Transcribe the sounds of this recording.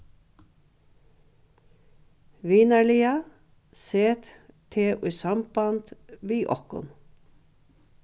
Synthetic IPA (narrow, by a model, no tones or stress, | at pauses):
ʋiːnəɭiːɑ | seːt̪t̪ʰeːʔʉsɑmbɑnt̪ʋiːʔɔkʊ̰n